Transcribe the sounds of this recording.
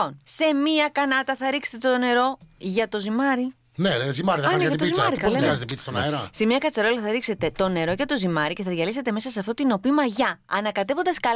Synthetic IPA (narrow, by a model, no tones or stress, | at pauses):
onse̞miɐkɐnɐt̪ɐθɐɾikset̪et̪one̞ɾo̞ʝɐt̪o̞zimɐɾi | nezimɐɾiðɐneʝɐt̪ozimɐɾikɐleɐzet̪eipit̪ist̪onɐeɾɐse̞miɐkɐt͡sɐɾo̞lɐθɐɾikse̞t̪e̞t̪o̞ne̞ɾo̞ʝɐt̪o̞zimɐɾice̞θɐðʝɐlise̞t̪e̞me̞sɐseɐft̪ot̪ino̞pimɐʝɐɐnɐkɐt̪e̞vo̞nd̪ɐskɐ